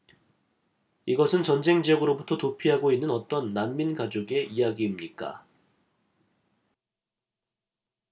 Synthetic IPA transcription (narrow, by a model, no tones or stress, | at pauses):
iɡʌsʰɯnt͡ɕʌnd͡ʑe̞ŋd͡ʑiʌɡɯɾobutʰʌtopʰiɦaɡoinːɯnʌt͈ʌnːanminɡad͡ʑoɡe̞ʔijaɡiːmɲik͈a̰